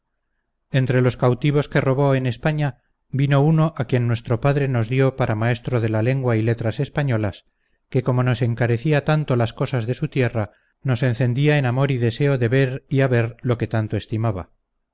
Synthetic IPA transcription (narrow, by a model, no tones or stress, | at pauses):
e̞nt̪ɾelo̞skawt̪iβ̞o̞ske̞ro̞β̞o̞e̞ne̞spaɲa | bino̞uno̞ʔakje̞nːwe̞st̪ɾo̞paðɾe̞no̞zðjo̞paɾʔamae̞st̪ɾo̞ð̞e̞lale̞ŋɡwaile̞t̪ɾase̞spaɲo̞las | ke̞ko̞mo̞no̞se̞ŋkaɾe̞θiat̪ant̪o̞lasko̞sazðe̞sut̪je̞ra | no̞se̞nθe̞nd̪iae̞namo̞ɾiðe̞se̞o̞ðe̞βe̞ɾiaβe̞ɾlo̞ke̞t̪ant̪o̞e̞st̪imaβa̰